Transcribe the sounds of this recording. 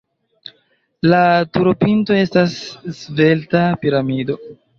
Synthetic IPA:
latuɾopinto̞e̞stasːve̞ltapiɾamido̞

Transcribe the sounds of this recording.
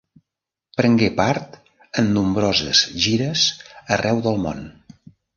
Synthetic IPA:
pɾəŋɡepaɾt̪ | ənːumbɾozə̰zʒiɾəzərɛwðəlˠmo̰n

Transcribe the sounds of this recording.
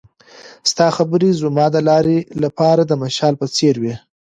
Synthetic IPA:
st̪ɑxabəɾizʊmɑd̪əlɑɾelapɑɾad̪əmaʃɑlpət͡seɾwi

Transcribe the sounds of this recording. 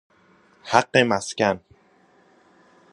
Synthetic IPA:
haɢːemæscæn

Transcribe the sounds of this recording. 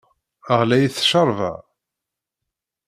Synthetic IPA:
əʁlæjiθʃəɾˤvə̰ʕ

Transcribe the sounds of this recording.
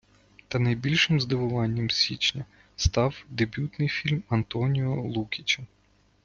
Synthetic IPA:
t̪ɐnɐjbʲilʲʃɪmzd̪ɪʋʊʋɑnʲːɐmsʲit͡ʃnʲɐ | st̪ɑwd̪ebʲut̪nɪjfʲilʲmɐnt̪ɔnʲiɔlˠukʲit͡ʃʲɐ

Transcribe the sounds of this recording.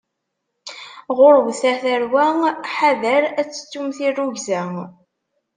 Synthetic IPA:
ʁʊɾwθæɾθæɾwæħaðəɾæt͡sːə̥t͡sːumθirːuʝzæ

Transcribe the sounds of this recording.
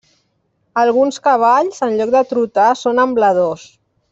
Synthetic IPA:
əlˠɣunskəβ̞aʎzənʎɔk̚d̪ət̪ɾut̪asonəmbləðos

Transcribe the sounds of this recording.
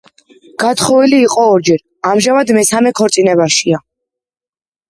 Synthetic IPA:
ɡ̥at̪χɔviliːqʼɔːɾd͡ʒɛɾ | amʒamad̪mɛsamɛkʰɔɾt̪sʼinɛβaʃia

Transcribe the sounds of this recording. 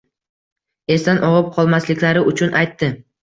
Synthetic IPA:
e̞st̪anʔɒʁɨp̚qʰɒlˠmaslɪkʲlaɾɪʔʊt͡ʃʰʊnʔajt̪ːɪ

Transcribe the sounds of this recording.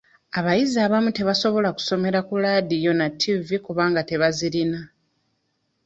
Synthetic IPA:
aβajiziaβamute̞βaso̞βo̞laku̥so̞me̞ɾakulaːdijo̞natʰːivikuβaːŋɡate̞βaziɾina

